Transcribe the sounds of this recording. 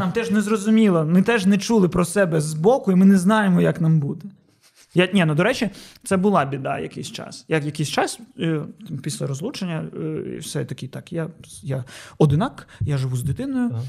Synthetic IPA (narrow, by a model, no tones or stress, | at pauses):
ɑmt̪ɛʒnɛzɾɔzʊmʲilˠɐmɪt̪ɛʒnɛt͡ʃulˠɪpɾɔsɛbɛzbɔkʊimɪnɛznɑjemɔjɐknambud̪ɛ | janʲɛnʊd̪ɔɾɛt͡ʃɪt̪sɛbʊlˠɑbʲid̪ɑ̰jɐ̰kɪ̰jsʲt͡ʃɑ̰sjajɐkɪsʲt͡ʃɑs | pʲisʲlʲɐɾɔzlˠut͡ʃenʲːɐ̰wsɛ̰t̪ɐkʲɪt̪ɑkjajaɔd̪ɪnakjaʒɪʋuzd̪ɪt̪ɪnɔjʊ